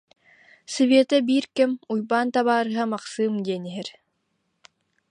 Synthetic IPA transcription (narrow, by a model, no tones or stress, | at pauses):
sɯviɛt̪ɛbiːɾkɛmujbaːnt̪aβaːɾɯɦamaqsɯːmd̪iɛniɦɛɾ